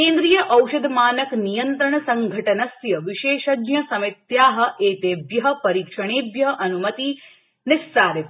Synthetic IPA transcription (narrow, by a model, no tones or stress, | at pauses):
keːnd̪ɾijɐʔɐwʃɐd̪ʱmaːnɐknijɐnt̪ɾɐɳɐsɐŋɡʱɐʈɐnɐsjɐʋiʃeːʃɐɡjɐsɐmit̪jaːɦɐ̆ʔeːt̪eːbjɐɦɐ̆pɐɾiːkʂɐɳ̃eːbjɐɦʔɐnumɐt̪i | nɪssaːɾit̪